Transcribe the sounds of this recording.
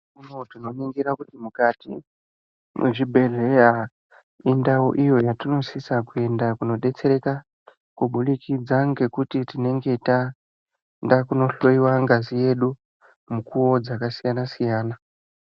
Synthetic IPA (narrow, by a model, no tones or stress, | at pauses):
kunotino̞niŋɡiɾakutimukatḭ | mʔḛʐibʱe̞ɮe̞ja | indaṵʔijo̞jatino̞sisakue̞ndakuno̞ɗe̞t͡se̞ɾe̞ka | kuɓulikid͡zaŋɡe̞kutitine̞ŋɡe̞ita | ndakuno̞ɬo̞iwaŋɡazije̞ɗu | mukuwo̞d͡zakasijanasijaːna